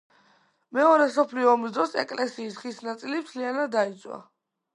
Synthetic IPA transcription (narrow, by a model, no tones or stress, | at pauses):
mɛɔɾɛsɔpʰliɔmzd̪ɾɔsɛ̰kʼlɛsiːsχisnat̪sʼilipt̪ʰlianad̪ːait̪sʼwa̰